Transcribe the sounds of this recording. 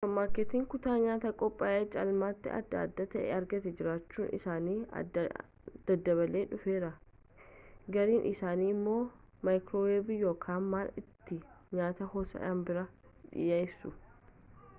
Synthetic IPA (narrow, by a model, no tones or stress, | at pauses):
fɐmːaːkːet̪iːŋkʊt̪aːɲaːt̪ɐkʼɔpʼːaːjeːt͡ʃːɐɐlmaːt̪ːɪɐ̰d̪ːa̰ːd̪ːat̪ɐʔɛ̰ɐɾɡɐt̪ɛd͡ʒɪɾaːt͡ʃːuːnʔɪ̰saːnḭː | d̪̥ɐd̪ːɐβɐleːᶑʊfe̞ːɾɐ | ɡɐɾiːnʔɪsaːniːɪmːo̞ː | mɐjkɾoweːbijo̞ːkʰaːnmaːlɪt̪ːɪ | ɲaːt̪ɐhoːsɐ̰ᶑɐnbɪɾɐᶑɪ̰jeɪsʊ